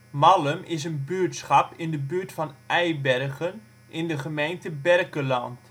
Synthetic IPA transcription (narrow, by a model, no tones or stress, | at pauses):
mɑləmɪs̬ənbyːɹtsχɑpɪndəbyːɹtfɑnʔɛjbɛrɣən | ʔɪndəχəmejntəbɛrkəlɑnt